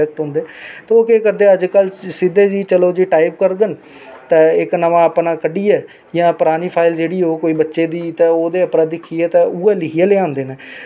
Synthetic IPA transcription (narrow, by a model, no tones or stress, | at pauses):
ɛːk̚ʈɦʊ̃nd̪eːt̪eoːkeːkəɾd̪eːəd͡ʒkəlsɪd̪eːd͡ʒiːt͡ʃəloːd͡ʒiːʈaːipkəɾɡ̪ən | t̪ɛ̃ːɪknəʋãːəpnãːkəɖiːɛː | jãːpʊɾaːniːpʰaːɪld͡ʒeːɽiːoːkoːiːbətːʃeːd̪iːt̪ɛːoːd̪eːəpɾãːd̪ɪkʰːiːɛːt̪ɛ̃ːʔuːɛːlɪkʰijẽleãːnd̪eːnẽː